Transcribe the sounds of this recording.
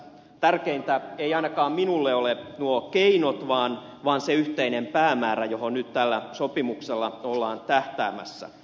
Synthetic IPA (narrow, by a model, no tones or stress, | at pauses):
t̪ærkeint̪æejɑinɑkɑːmminulːeolenuokeinot̪ʋɑːnʋɑːnseyht̪einempæːmæːɾæjohonnyt̪t̪ælːæsopimukselːɑolːɑːnt̪æht̪æːmæ̰sːæ̰